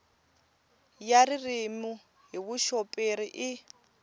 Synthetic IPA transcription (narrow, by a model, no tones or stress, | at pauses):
jaɾirimu | ɦiβuʃopʼeɾiʔi